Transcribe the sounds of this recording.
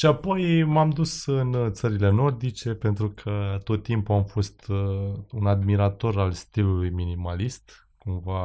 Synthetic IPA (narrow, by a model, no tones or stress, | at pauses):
ʃiapo̞jmamd̪usɨnt̪səɾile̞no̞rd̪it͡ʃe̞pe̞nt̪ɾukʰət̪o̞t̪ːimpuamfo̞st̪ | unad̪miɾat̪o̞ɾalst̪ilulujminimalist̪ | kumva